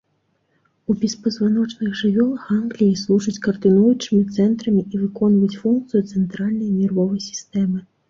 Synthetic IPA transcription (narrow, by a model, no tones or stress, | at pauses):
ubʲɛspɐzvanɔt͡ʂnɨxʐɨvʲɔlˠɐxanɡlʲijislˠuʐɨt͡sʲkɐrd̪ɨnujut͡ʂɨmʲit̪sɛnt̪ɾɐmʲiivɨkɔnvɐjut͡sʲfunk̚t̪sɨjut̪sɛnt̪ɾalʲnɐjmʲirvɔvɐjsʲi̥st̪ɛmɨ